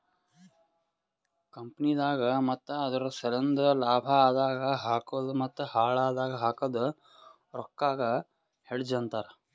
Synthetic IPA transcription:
kɐmpɐnid̪aːɡɐmɐt̪ːɐɐd̪ɐɾɐsɐlɐnd̪ɐlaːbʱɐaːd̪aːɡɐɦaːkɐd̪umɐt̪ːɐhaːɭaːd̪aːɡɐɦaːkɐd̪u | ɾɔkːaːɡɐ | heɽd͡ʒɐnt̪aːɾ

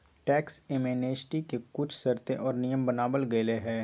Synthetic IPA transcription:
ʈɛːkseːmeːneːsʈikekʊt͡ʃʰsɐɾt̪ẽʔɔːɾnijəmbɐnaːbəlɡɐeleɦɛː

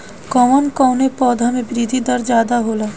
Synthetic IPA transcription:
kɔːmənkɔːʊnepɔːd̪ʱamẽbɾid̪ʱid̪ɐɾd͡ʒjaːd̪aɦoːla

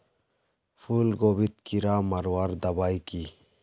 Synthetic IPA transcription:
pʰulɡoːbit̪kiɾamɐɾwaɾd̪ɐbaːjki

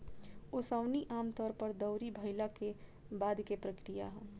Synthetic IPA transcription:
osaʊniʔaːmt̪ɔːɾpəɾd̪əʊɾibʱəɪlake | baːd̪kepɾəkɾija̰ɦɛ̃ː

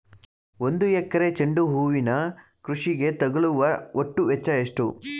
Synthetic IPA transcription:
o̞nd̪ujɛkːɐɾet͡ʃeɳɖuɦuːʋinɐ | kɾuʂiɡe̞t̪ɐɡɐɭuʋɐoʈːuʋɛt͡ʃːɐjeʂʈu

